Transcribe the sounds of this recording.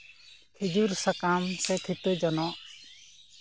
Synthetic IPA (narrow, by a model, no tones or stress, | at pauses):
hid͡ʒuɾsakamsɛt̪ʰit̪ud͡ʒɔnɔʔ